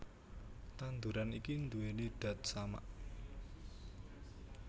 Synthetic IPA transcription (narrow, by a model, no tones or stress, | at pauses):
t̪and̪uɾanikind̪uweniɖ̥ä̤t̪̚sama̰ʔ